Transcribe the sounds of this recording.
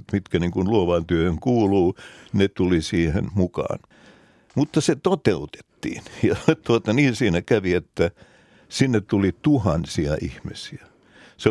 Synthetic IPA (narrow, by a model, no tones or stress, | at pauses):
t̪mit̪kæniːŋkunluoʋɑnt̪yøhøŋkuːluːnet̪ulisiːhḛnmukɑ̰ːn | mut̪ːɑset̪ot̪eut̪e̥t̪ːḭːnjɑt̪uot̪ɑniːnsiːnækæʋiet̪ːæ | sinːet̪t̪ulit̪uhɑnsiɑʔihmisiæ | se